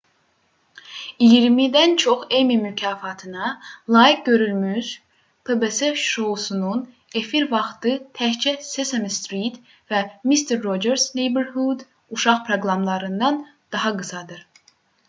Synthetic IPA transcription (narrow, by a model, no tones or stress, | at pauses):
ijiɾmid̪ænt͡ʃʰo̞χemimycʰɑːfɑt̪ʰɯnɑlˠɑːjik̚ɟø̞ɾylmyz | pʰebeseʃosunun | e̞fiɾvɑχt̪ɯt̪ʰæçt͡ʃʰɛsesemst̪ɾit̪ | væmist̪ʰeɾːod͡ʒeɾsnejbeɾɦud̪ | uʃɑχpʰɾoɡɾɑmlˠɑɾɯnd̪ɑn | d̪̥ɑɦɑɡɯsɑd̪ɯɾ